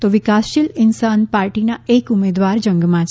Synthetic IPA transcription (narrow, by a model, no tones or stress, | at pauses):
t̪oʋɪkasʃɪlɪnsanpaɾʈinaekumed̪ʋaɾd͡ʒə̃ŋɡmãt͡ʃʰ